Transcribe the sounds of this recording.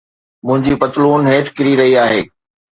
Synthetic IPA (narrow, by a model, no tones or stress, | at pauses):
mʊ̃ɦɪ̃ɲd͡ʑipɐt̪luːnɦeːʈkɪɾiɾɐɦiaːɦeː